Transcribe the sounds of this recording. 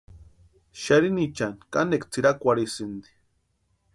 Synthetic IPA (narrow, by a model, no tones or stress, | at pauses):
ʃaɾinit͡ʃankanekt͡siɾakʷaɾisind̪i̥